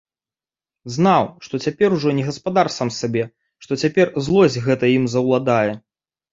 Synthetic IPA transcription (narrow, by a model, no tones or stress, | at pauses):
znawʂt̪ɔt͡sʲapʲɛɾuʐɔnʲɛɣɐspad̪arsamsabʲɛ | ʂt̪ɔt͡sʲapʲɛrzlˠɔzʲɣɛt̪ɐimzɐwlˠad̪ajɛ